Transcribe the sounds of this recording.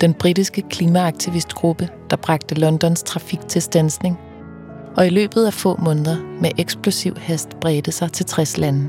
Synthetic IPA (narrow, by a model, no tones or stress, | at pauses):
d̥enb̥ʁidisɡ̥əkʰliːmæɑ̈ɡ̥̚t͡sʰiʋisd̥ɡ̥ʁub̥əd̥ɑ̈b̥ʁɑ̈ɡ̥̚d̥əlɒ̽nd̥ɒ̽nst͡sʰʁɑ̈fiɡ̥t͡sʰe̝lsd̥ænsne̝ŋ | ɒ̽ilø̰ːb̥ð̞̩ˠæfɔ̰̽ːmɔ̽ːnðˠɐmeʔeɡ̥sb̥lo̝siʊ̰hæsd̥b̥ʁɛːd̥əsɑ̈ɪt͡sʰe̝lt͡sʰʁɛslænə